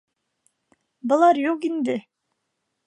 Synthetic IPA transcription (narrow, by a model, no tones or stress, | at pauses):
bulˠɑɾjokind̪ɪ